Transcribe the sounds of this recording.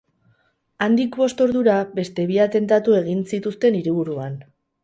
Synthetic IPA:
and̪ikbo̞st̪o̞ɾðuɾabe̞st̪e̞βiat̪e̞nt̪at̪ue̞ɣ̞insit̪ust̪e̞niɾiβ̞uɾuan

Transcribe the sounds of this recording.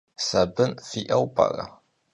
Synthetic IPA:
sɐbɨnfiʔɐwpʰʼɐ̰rɐ̰

